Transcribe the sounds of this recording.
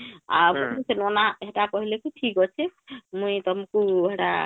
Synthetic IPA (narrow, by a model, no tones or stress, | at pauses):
a̰pɔisenɔnaeɦʈakɔɦilekiʈʰikɔt͡ʃʰɛmujt̪ɔmukueɦɛʈa̰